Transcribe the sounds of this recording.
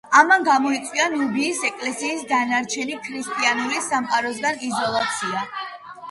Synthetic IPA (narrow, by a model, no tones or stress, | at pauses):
amanɡamɔit̪sʼwianubiːsɛkʼlɛsiːsd̪anaɾt͡ʃʰɛnikʰɾist̪ʼianulisamqʼaɾɔs̬ɡanizɔlˠat̪sʰia